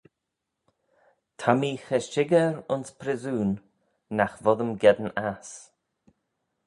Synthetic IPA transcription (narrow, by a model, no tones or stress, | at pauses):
t̪ʰamiːxɛʃɪɡəɾʊnspʰɾɪzuːnː | axvɔðəmɡɛd̪ənas